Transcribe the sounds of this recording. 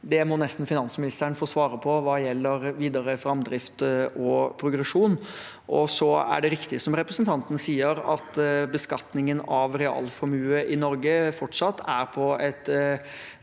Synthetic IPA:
d̪ɛmɔnɛst̪n̩fɪnɑnsmɪnɪst̪əɾɳfoːsʋɑːɾəpʰɔʋɑːjɛlːəɾʋiːd̪əɾəfɾɑmd̪ɾɪft̪ʔɔpʰɾʊɡɾɛʂuːn | ʔɔsɔæ̰ɖɛɾɪkt̪ɪsɔmɾɛpɾəsnt̪ʰɑnt̪ənsiːəɾɑt̪bəskɑt̪nɪŋənɑʋɾɛɑ̰ːlfɔmʉːəʔɪnɔɾɡəfɔʈʂɑt̪ːæɾpʰɔɛt̪

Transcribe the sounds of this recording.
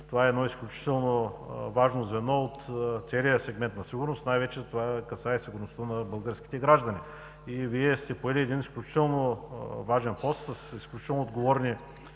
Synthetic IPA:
t̪ovaɛɛd̪nɔisklʲut͡ʃi̥t̪ɛlˠnovaʒnozvɛnɔot̪t̪sɛlijəsɛɡmɛnt̪nɐsiɡuɾnost̪najvɛt͡ʃɛzt̪ovakɐsaɛsiɡʊɾnost̪ənɐbəlˠɡəɾsk̟i̥t̪ɛɡɾaʒd̪ɐni | iviɛst̪ɛpoɛlʲiɛd̪inisklʲut͡ʃi̥t̪ɛlˠnovaʒɛnpɔst̪səsisklʲut͡ʃit̪ɛlˠnood̪ɡovɔɾni

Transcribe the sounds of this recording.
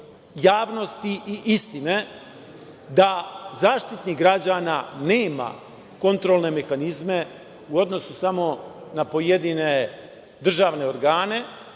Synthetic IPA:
jaːʋno̞st̪iiʔist̪ine̞ | d̪azaːʃt̪it̪niɡɾad͡ʑananeːma̰ | ko̞nt̪ɾolne̞me̞xanizme̞ | uo̞d̪no̞susamo̞napo̞jed̪ine̞ | d̪r̩ʒaːʋne̞o̞ɾɡaːne̞

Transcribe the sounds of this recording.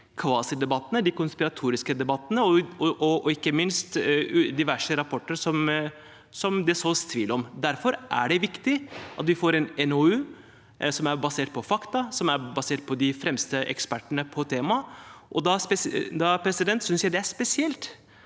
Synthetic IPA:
kʰʋɑːsəd̪ɛbɑt̪ːənəd̪ɪkʊnspɪɾɑt̪ʰuːɾɪskəd̪ɛbɑt̪ːənəɔɔɔɔɪkːəmɪnst̪d̪ɪʋæʂəɾɑpʰɔʈːəɾʂɔm | sɔmd̪ɛsoːst̪ʰʋiːlɔmd̪æɾfɔɾʔæ̰ɖɛʋɪkt̪ɪʔɑ̰t̪ʋɪfoːɾɛnɛnoʉː | sɔmæɾbɑseːʈ̚pʰɔfɑkt̪ɑsɔmæɾbɑseːʈ̚pʰɔd̪ɪfɾɛmst̪əʔɛ̰kspæʈːəɳəpʰɔt̪ʰeːmɑʔɔd̪ɑspɛd̪ɑpʰɾɛsɪd̪ɛnt̪sʏnsjæɪd̪ɛæʂpɛsɪɛlt̪

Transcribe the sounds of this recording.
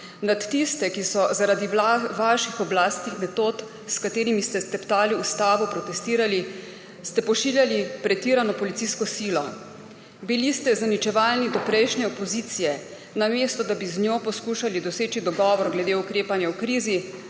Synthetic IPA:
nat̪ːist̪ɛkisɔzaɾad̪iʋaʃixɔblaːst̪nixmɛt̪oːt̪ | skat̪eːɾimist̪ɛst̪ɛpt̪aːliust̪aːʋɔpɾɔt̪ɛst̪iːɾali | st̪ɛpɔʃiːljalipɾɛt̪iːɾanɔpɔlit̪siːskɔsiːlɔ | bilist̪ɛzanit͡ʃɛʋaːlnid̪ɔpɾɛjʃnɛɔpɔziːt̪sijɛ | nameːst̪ɔd̪abiznjoːpɔskuːʃalid̪ɔseːt͡ʃid̪ɔɡɔːʋɔɾɡlɛd̪eːukɾeːpanjawkɾiːzi

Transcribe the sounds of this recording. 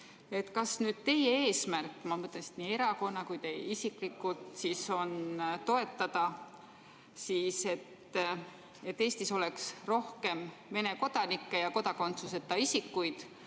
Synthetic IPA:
e̞t̪kɑsnyːd̪̥̚t̪e̞jee̞ːsmærkːˑmɑmɤt̪ːˑlensi̥d̪niːe̞ɾɑko̞nːɑkujt̪e̞jisiklikːˑult̪siso̞nt̪o̞e̞t̪ːɑd̪̥ɑ | siːse̞t̪ | e̞t̪ːe̞ːst̪iso̞le̞ksro̞hke̞mːe̞ne̞ko̞d̪̥ɑnikːe̞jɑko̞d̪ɑko̞nt̪suse̞t̪ːɑisikːujd̪̥

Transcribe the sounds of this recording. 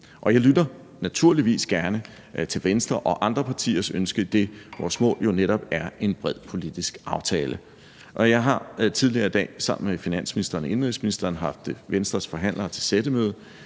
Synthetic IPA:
ʔɒ̽jɑ̈ɪlydɐ | næt͡sʰuɐ̰liʋḭːsɡ̥æɐnə | t͡sʰe̝lʋensd̥ʁɐʔɒ̽ʔɑ̈nd̥ʁɐpʰɑ̈t͡sʰḭːɐsønsɡ̥əd̥e̝ʋɒ̰ːsmɔ̰̽ːljo̝neɾ̥ɒb̥æɐe̝nb̥ʁɛð̰ˠpʰo̝lid̥isɡ̥ʔɑ̈ʊt͡sʰɛːlʔə | ʔɒ̽jɑ̈ɪɦɑ̈t͡sʰið̞ˠliɐid̥ɛ̰ːsɑ̈m̰n̩mefinæn̰sminisd̥ɐne̝nʁisminisd̥ɐːnɦɑ̈fd̥ʋensd̥ʁɐsfɒ̽ɦæn̰lʔɐt͡sʰe̝lsed̥əmøːð̞ˠ

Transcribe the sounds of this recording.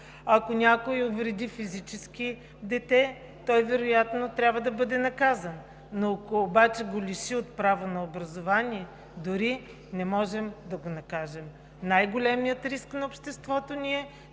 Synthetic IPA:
ɐkonʲakojovɾɛd̪ʲifizit͡ʃɛski | d̪ɛt̪ɛ | t̪ɔjvɛɾojat̪not̪ɾʲabvɐd̪ɐbɤd̪ɛnɐkazɐnː | oɐkoːbat͡ʃɛɡolʲiʃiot̪̚pɾavonɐobɾɐzovaniɛ | d̪ʊɾi | nɛmɔʒɛmd̪ɐɡonɐkaʒɛm | najɡolʲɛmijət̪ɾisknɐopʃt̪ɛst̪vɔt̪oniɛ

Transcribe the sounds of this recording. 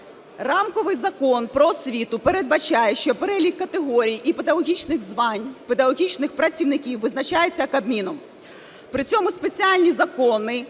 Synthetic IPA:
rɑmkɔʋɪjzɐkɔnpɾɔsʲʋʲit̪ʊpeɾe̞d̪̚bɐt͡ʃɑjɛʃt͡ʃɔpeɾɛlʲikːɐt̪eɦɔɾʲijʔiped̪ɐɣɔɦʲit͡ʃnɪxzʋɑnʲped̪ɐɣɔɦʲit͡ʃnɪxpɾɐt͡sʲiwnɪkʲiwʋɪznɐt͡ʃajet͡sʲːɐkɐbmʲinɔm | pɾɪt͡sʲɔmʊspe̞t͡sʲialʲnʲizɐkɔnɪ

